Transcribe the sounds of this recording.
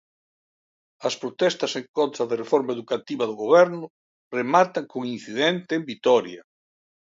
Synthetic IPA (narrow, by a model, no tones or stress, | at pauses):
ɐspɾot̪ɛst̪ɐseŋkont̪ɾɐðɪrefɔɾmaeðukat̪iβɐðʊɣoβɛɾnʊ | remat̪aŋkoŋinθiðɛnt̪ɪːmbit̪ɔɾjɐ